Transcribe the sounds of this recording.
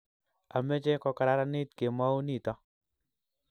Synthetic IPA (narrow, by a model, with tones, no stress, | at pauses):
a˨mɛ˦t͡ʃɛ˦kɔ˧ka˨ɾa˦ɾa˦nɪ˦tke˨ma˦u˦ni˦˨tɔ˦